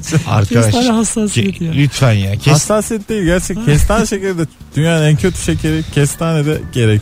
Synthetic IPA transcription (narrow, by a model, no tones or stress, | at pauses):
a̰ɾkad̪aʃahasːaslʲyt̪ʰfænjaːasːasjɛt̪̚d̪ejilʲɟæɾt͡ʃʰɛcʰɛst̪ʰanʃecilʲd̪ɛ | d̪̥ynjaːnæncʰøt̪ʰy̥ʃecʰeɾicʰɛst̪ʰaːnɛd̪ɛɟe̞ɾɛcʰ